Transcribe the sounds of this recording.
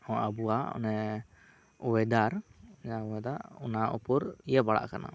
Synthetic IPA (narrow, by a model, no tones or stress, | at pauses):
hɔ̃abuaɔ̰nɛ | uwɛd̪aɾd͡ʒaɔɛd̪aɔnaʔṵpuɾijəbaɽa̰ʔkana̰